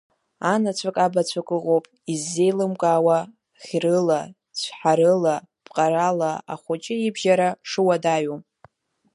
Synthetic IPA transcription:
anat͡ɕʷʰakʼabat͡ɕʷʰakʼɨʁowpʼ | izːe̞jlɨmkʼawa | χʲrɨla | t͡sʷʰħaɾɨla | pʼqʼaɾalaa̰χʷʊt͡ʃʼɪibʒaɾaʂɨwadaɥom

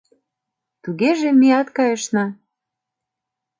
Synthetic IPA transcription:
t̪uɣeʒemiɑt̪kɑjɤ̆ʃnɑ

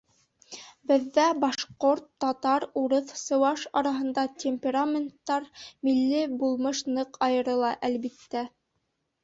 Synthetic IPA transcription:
bɘ̆ðːæbɑʃqoɾt̪ːɑt̪ɑɾuɾɤθsɤ̆wɑʃɑɾɑɦɤ̆nd̪ɑtʲʰemʲpʲeɾamʲent̪ːɑɾmilːɘbulˠmɤʃnɤqɑjɤ̆ɾɤ̆lˠɑʔælbit̪ːæ

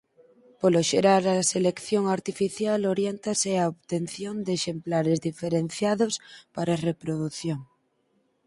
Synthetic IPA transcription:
poloʃeɾaɾaselekθjoŋaɾt̪ifiθjaloɾjent̪aseaoβt̪enθjond̪eːʃemplaɾezðifeɾen̟θjaðospaɾarepɾoðuθjoŋ

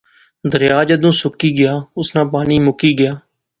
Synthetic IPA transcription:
d̪əɾjaːd͡ʒəd̪ũːsʊkiːɡɪjaːʊsnãːpaːniːmʊkiːɡɪjaː

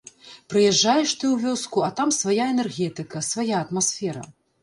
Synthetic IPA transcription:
pɾɨjɛʐːajɛʂt̪ɨwvʲɔskuɐt̪amsvajaɛnɛrɣʲɛt̪ɨkɐsvajaɐt̪masfʲɛɾɐ̰

